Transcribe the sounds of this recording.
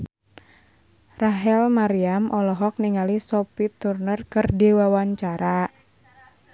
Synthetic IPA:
raɦɛlmaɾiamʔɔlɔɦɔk̚niŋalisɔpit̪urnərkɨrdiwawaɲt͡ʃaɾa

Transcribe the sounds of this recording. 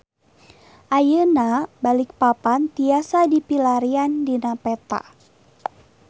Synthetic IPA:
ʔajənabalik̚papant̪iasadipilaɾiandinapɛt̪a̰

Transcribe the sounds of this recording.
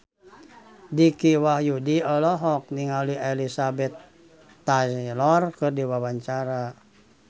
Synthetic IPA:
dikiwahjudiɔlɔɦɔk̚niŋalielisabɛt̪ː | alɔrkɨrdiwawaɲt͡ʃaɾa

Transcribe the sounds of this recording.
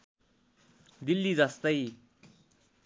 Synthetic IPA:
d̪ilːid͡zʌst̪ʌj

